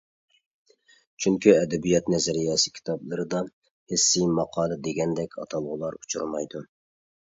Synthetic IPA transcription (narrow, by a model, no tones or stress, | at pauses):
t͡ʃʰyŋkʲyɛd̪ɛbijɛt̪nɛzɛɾijɛsɨ̥kʲʰi̥t̪ʰɑblˠɨɾɨd̪ɑ | hɪsːijmɑqʰɑːlˠɨd̪eɡʲɛnd̪ɛkʲʰɑ̰t̪ʰɑlˠʁʊlˠɑɾut͡ʃʰṵɾmɑ̰jd̪u